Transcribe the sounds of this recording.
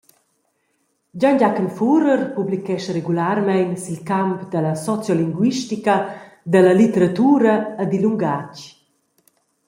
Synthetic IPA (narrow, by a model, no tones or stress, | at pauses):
ɟaɲɟakənfuɾərpublikɛʃɾeɡulaɾmɛjnsilkampd̪əlasɔt͡sjɔliŋɡwiʃtikə | d̪əlɐlit̪əɾat̪uːɾɐːd̪iluŋɡac